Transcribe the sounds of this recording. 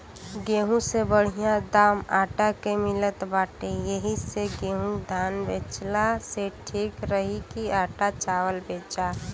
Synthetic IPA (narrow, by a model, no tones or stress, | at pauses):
ɡeːɦũsebəɽ̤ijãd̪aːmaːʈakemɪlət̪baːʈejəɦiseɡeɦũd̪ʱaːnbet͡ʃlaseʈʰiːkɾəɦikiaːʈat͡ʃaːwəlbet͡ʃa